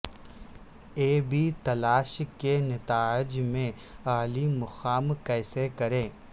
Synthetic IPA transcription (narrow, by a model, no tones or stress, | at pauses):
eːbʱit̪ɐlaːʃkenɐt̪aːɪd͡ʒmẽ | aːlimʊxaːmkɛːsekɐɾẽː